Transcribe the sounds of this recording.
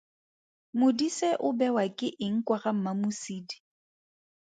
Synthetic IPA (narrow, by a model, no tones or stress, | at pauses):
mʊdisɛʔʊbɛwakʼɪʔɪŋ̩kʼwaχam̩mamʊsiːdi̥